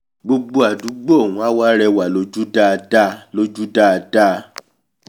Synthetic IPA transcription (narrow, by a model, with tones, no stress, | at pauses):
ɡ͡bo˧ɡ͡bo˧a˨du˨˦ɡ͡bo˦o˦˨wũ˨˦a˦wa˦ɾɛ˧wa˨lo˧d͡ʒu˦da˦˧da˦lo˧d͡ʒu˦da˦˧da˦˧